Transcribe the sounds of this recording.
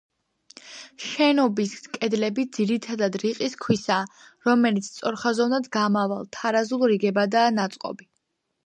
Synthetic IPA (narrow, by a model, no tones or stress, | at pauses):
ʃɛnɔbiskʼɛd̪lɛbid̪ziɾit̪ʰad̪ad̪ɾiqʼiskʰwisaːɾɔmɛlit̪sʰt̪sʼɔɾχazɔvnad̪ɡamava̰lˠt̪ʰaɾazulˠɾiɡɛbad̪aːnat̪sʼqʼɔ̰bi